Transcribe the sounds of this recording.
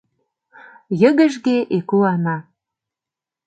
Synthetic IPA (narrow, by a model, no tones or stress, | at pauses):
jə̆ɣə̆ʒɣeʔekuɑnɑ